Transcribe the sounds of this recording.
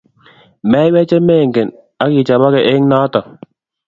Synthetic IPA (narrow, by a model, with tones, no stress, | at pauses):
mɛ˨˦wɛ˦t͡ʃe˦me˦˨ŋ˨ɡe˨n | a˦ki˨t͡ʃa˨ba˦kɛ˨ʔe˦ŋ˦na˦tɔ˨